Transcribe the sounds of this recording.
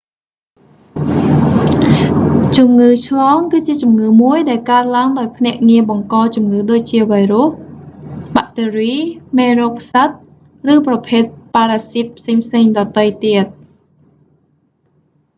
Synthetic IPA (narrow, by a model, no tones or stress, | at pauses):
t͡ɕumŋɨːt͡ɕʰlɑːŋkɨːt͡ɕiət͡ɕumŋɨːmuəjɗaɛlkaət̪̚laəŋɗaɔjpʰnɛ̆əʔŋiəɓɑŋkɑːt͡ɕumŋɨːɗoːc̚t͡ɕiəʋajruh | ɓaʔt̪eːriːmeːroːkʰsat̪̚ | rɨːprɑpʰeːt̪̚paːɾaːsit̪̚pʰseːŋpʰseːŋɗɑːt̪əjt̪iət̪̚